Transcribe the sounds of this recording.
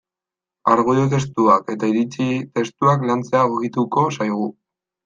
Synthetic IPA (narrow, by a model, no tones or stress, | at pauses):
aɾɣuðot̪̬e̞st̪uake̞t̪aiɾit͡ʃit̪e̞st̪uaklant͡se̞aoɣit̪uko̞sajɣ̞u